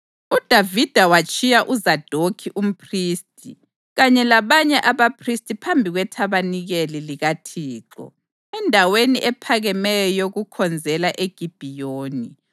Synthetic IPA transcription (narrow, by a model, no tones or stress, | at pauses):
ud̥ʱavid̥ʱawat͡ʃʼijaʔuzad̥ʱokʰiʔum̩pʰriːstʼʰi | ɣaɲɛlaβaɲɛʔaβapʰristʼipʰambʱiɣwɛtʰaβaniɣeliliɣatʰiːǁɔ̰ | ɛndʱaweniʔɛpʰaɣɛmɛjɔjoɣukʰɔnd͡zʱɛlaʔeɡ̥ʱib̥ʱijoːni